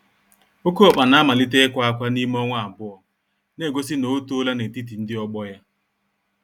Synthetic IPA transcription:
o˦ko˦ɔ˨k͡pa˨na˨˦ma˨lɪ˦te˦kʷa˦a˦kʷa˦ni˦m˦ɔ˦ŋʷ˦a˨m̩˨bʊ˦ɔ˨ | ne˦˨ɡo˦s̬i˦no˨˦tːla˦ne˨ti˦t̬i˨n̩˦dɪ˦ɔ˦ɡ͡bɔ˦ja˦

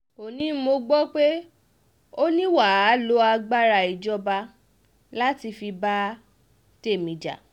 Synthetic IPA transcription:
o˨nĩ˨˦mo˧ɡ͡bɔ˦k͡pe˦ | o˦nĩ˦wa˦˨˦lo˦a˧ɡ͡ba˦ɾa˨˧˨i˨d͡ʒɔ˧˦ba˧ | la˦ti˧fi˧ba˦ | te˦˨mĩ˨d͡ʒa̰˨

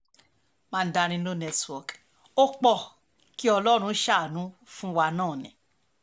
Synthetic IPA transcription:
mãː˦˧n̩˦da˧ɾ̃ĩ˧nõ˦nɛ˧twɔ˨k | o˦k͡pɔ˦˨ | ki˦ɔ˧lɔ˦ɾ̃ũ˧˦ʃa˦˨nũ˨˦fũ˦wa˧nãː˦˨nĩ˨

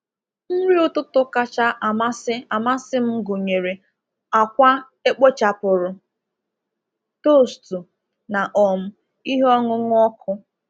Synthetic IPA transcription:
m̩˦ɾi˦ʊ˦tʊ˦tʊ˦ka˦t͡ʃa˦ʔa˨ma˦sɪ˦a˨ma˦sɪ˦m̩˦ɡo˨ɲe˨ɾe˨ | a˨kʷa˦ | e˦k͡po˦t͡ʃa˨pʊ˨ɾʊ˨ | to˦˨stu˨ | na˨ʔɔ˨m̩˦ | i˦ɦɔ˦ŋʊ˦ŋʊ˦ɔ˦kʰʊ˦

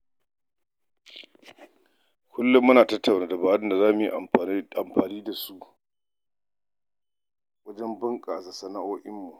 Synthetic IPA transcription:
kʷʰʊ˦lːʊ˦mːʊ˦naː˨tɐ˦tʰːa˨wnaː˨˦da˨baː˦jɐ˦nda˨zaː˦mʊ˨jḭ˨ʔa̰˨m˨a˨mɸaː˨niː˦da˨su˦ʔ | wɐ˦d͡ʒɛ˦mbʊ˦ŋkʼa˨sa˨sɐ˨na˦ʔoː˦ʔɪ˦mːu˨

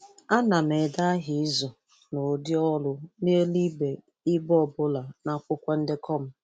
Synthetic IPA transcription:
a˦na˨me˨da˦ɦɪ˨ɪ˦zɔ˨ | no˨dɪ˦ɔ˦lʊ˦ne˦e˦li˦be˨ | ɪ˦bɔ˦˨bʊ˦la˨na˦kʷʊ˦kʷa˦n̩˦dɪ˦kɔ˦˨m̩˦

